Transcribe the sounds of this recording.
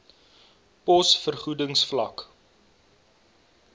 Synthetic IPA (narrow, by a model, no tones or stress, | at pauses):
pɔsfərχudəŋsflɐ̰k